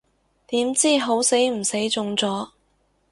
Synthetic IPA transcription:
t̪iː˨˥mt͡siː˥ɦo˨˥wse˨˥jm̩˨˩se˨˥jt͡sʊ˧ŋt͡sɔː˨˥

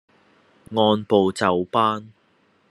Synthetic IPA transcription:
ŋɔː˧npo˨wt͡sɐ˨wpaː˥n

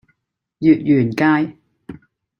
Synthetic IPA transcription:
jyː˨t̚jyː˨˩nkaː˧j

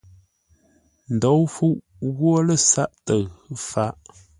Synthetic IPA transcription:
n̩˨do˨˦wfu˦ʔ | ɣwo˦lə˦˨sa˦ʔtə˨ɣfa˨˦ʔ

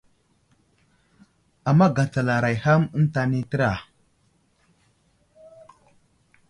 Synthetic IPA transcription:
a˨mːa˦ɡa˨t͡sa˨la˨ɾa˨jha˦mə˦n˦ta˨ni˦tə˦ɾa˨

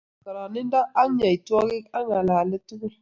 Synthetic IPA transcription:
ka˨ɾa˨ni˦n˦da˦ʔa˦ŋ˦ɲa˨jtu˦a˦ɡi˦ka˦ŋa˨la˨lə˦tu˦ɡu˦

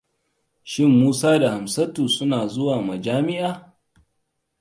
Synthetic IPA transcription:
ʃɪ˦mːuː˦saː˦da˨ha˨msɐ˦tuː˨sʊ˦naː˨zʊ˦waː˨mɐ˨d͡ʒaː˦mɪ˦ʔaː˨

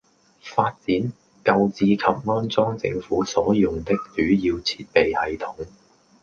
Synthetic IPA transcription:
faː˧t̚t͡siː˨˥n | kɐ˧wt͡siː˧kʰɐ˨p̚ŋɔː˥nt͡sɔː˥ŋt͡sɪ̰˧ŋfuː˨˥sɔː˨˥jʊ˨ŋt̪ɪ˥k̚t͡ʃyː˨˥jiː˧wt͡sʰiː˧t̚pe˨jhɐ˨jt̪ʰʊ˨˥ŋ

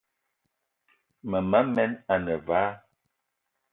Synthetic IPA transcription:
mə˨ma˦mɛ˦na˨nə˨vaː˨˦

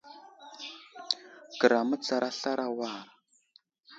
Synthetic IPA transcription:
kə˨ɾa˨mə˦t͡sa˨ɾʔa˦ɬa˦ɾʔa˦wa˦˨

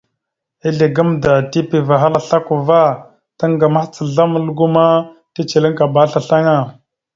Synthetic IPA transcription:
i˦ɮe˨ɡə˦mda˨ti˦pi˨va˨ɦa˦la˨ɬa˦ku˨va˦ | ta˦ŋɡa˨ma˦xt͡sə˨ɮa˦m˦lu˦ɡu˦ma˦ti˦t͡ʃi˨li˦ŋka˨ba˦ɬa˨ɬa˦ŋa˦˨

